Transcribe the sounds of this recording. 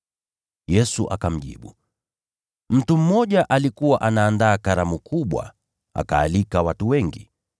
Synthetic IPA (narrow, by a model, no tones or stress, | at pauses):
jɛsuʔa̰kam̩ʄḭɓṵ | m̩tum̩mɔʄaʔalikuwaʔanaːndaːkaɾamukʰuɓwa̰ | a̰ka̰ːlikawatuwɛŋɡḭ